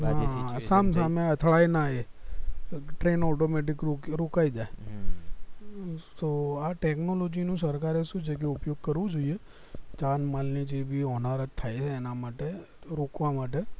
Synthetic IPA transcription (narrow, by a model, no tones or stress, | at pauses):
aəsams̬ameət̪ʰɭajnaɦe | ʈɾenɔʈomeʈ̬ɪkɾoɾokaid͡ʒae | t̪oaʈeknolod͡ʒinũsəɾkaɾeʃũt͡ʃʰek̬eʊpjoɡ̚kəɾʋũd͡ʒoie | t͡ʃanmalnid͡ʒebʱiɔnaɾət̪t̪ʰːajt͡ʃʰeːnamaʈe | ɾokʋamaʈe